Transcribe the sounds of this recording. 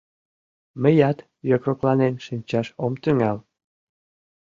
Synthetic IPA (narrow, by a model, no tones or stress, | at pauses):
məjɑt̪ | jokɾoklɑnenʃinʲt͡ɕɑʃomt̪yŋɑl